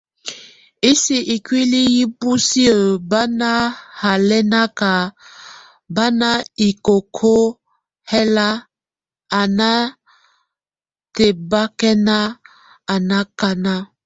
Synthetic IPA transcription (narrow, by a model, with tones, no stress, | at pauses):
i˦si˦ʔi˨kwi˦li˦ji˦pu˦si˦ə˨ba˦na˦ha˨lɛ˦na˦ka˨ | ba˦na˦i˨ko˨kʰo˦ | hɛ˦la˦ | a˨na˦ | te˨ba˦kɛ˦na˦ | a˨na˦ka˦na˦